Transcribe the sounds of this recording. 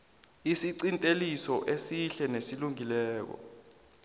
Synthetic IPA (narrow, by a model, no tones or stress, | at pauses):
isiǀintʼelisɔʔesiɬɛnesiluŋilɛːk̬ɔ̰